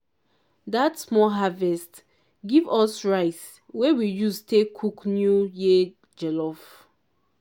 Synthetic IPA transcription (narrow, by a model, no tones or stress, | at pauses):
datsmɔlɦavɛst | ɡivɔsɹaɪs | wɛwijustekʰuknjuji | d͡ʒɛlɔf